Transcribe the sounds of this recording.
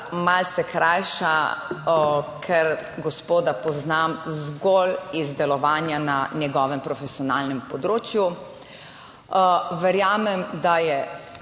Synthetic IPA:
malt̪sɛkɾajʃa | kʰɛɾɡɔspoːd̪apɔznamzɡolizd̪ɛlɔʋaːnjananjɛɡɔːʋɛmpɾɔfɛsiɔnaːlnɛmpɔd̪ɾoːt͡ʃju | ʋɛɾjaːmɛmd̪ajɛ

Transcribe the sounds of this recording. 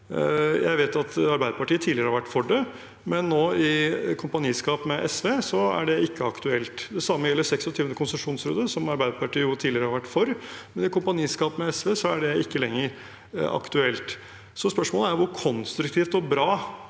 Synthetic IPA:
jæ̰ɪʋeːt̪ɑt̪ɑɾbæɪd̪əpɑʈiːət̪ʰiːlɪəɾəhɑɾʋæʈːfɔɖə | mɛnːoːɪkʰʊmpɑniːskɑːpmɛʔɛsʋeːsɔæ̰ɖɛɪkːəɑkt̪ʉɛlt̪d̪ɛsɑmːəjɛlːəɾsɛksɔt̪ʰyːʋənəkʰʊnsəʂuːnsɾøːd̪əsɔmɑɾbæɪd̪əpɑʈiːəjʊt̪ʰiːlɪɾəhɑɾʋæʈːfɔɾmɛnɪkʊmpɑniːskɑːpmɛɛsʋeːsɔæɖɛɪkːəlɛŋːəɾ | ɑ̰kt̪ʉɛlt̪ | sɔspœʂmoːləæɾjʊʋʊɾkʰɔnst̪ɾʉkt̪ʰiːft̪ɔbɾɑː

